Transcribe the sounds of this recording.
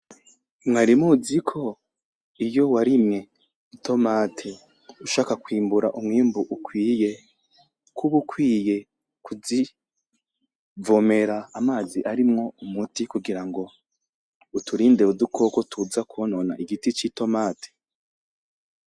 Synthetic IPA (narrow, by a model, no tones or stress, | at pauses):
mŋaɾimuzikʰo̞ | ijo̞waɾimŋe̞ | itʰo̞maːtʰe | uʃaːkakwiːmbuɾa̰ʔumŋiːmbuʔukwiːje̞ | kʰuβukwiːje̞ | kʰuzi | vo̞me̞ɾaːmaːziʔaɾimŋo̞umutikuɡiɾaŋɡo̞ | utʰuɾiːndeudukʰo̞kotʰuzakuonona̰ʔiɡitit͡ʃito̞maːtʰe̥